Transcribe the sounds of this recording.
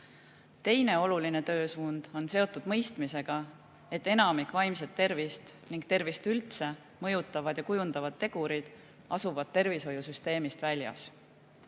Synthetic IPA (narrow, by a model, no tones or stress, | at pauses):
t̪e̞jne̞o̞luline̞t̪ø̞ːsuːnd̪̥o̞nse̞o̞t̪ːˑud̪̥mɤ̞jst̪mise̞ɡ̥ɑ | e̞t̪ːe̞nɑmikˑvɑjmset̪ːe̞rvist̪niŋɡ̚t̪e̞rvist̪ylt̪se̞ | mɤ̞jut̪ːˑɑvɑd̪̥jɑkujund̪̥ɑvɑd̪̥̚t̪ːe̞ɡ̥uɾid̪̥ | ɑsuvɑd̪̥̚t̪ːe̞rviso̞jusyst̪e̞ːmist̪vælʲjɑ̰s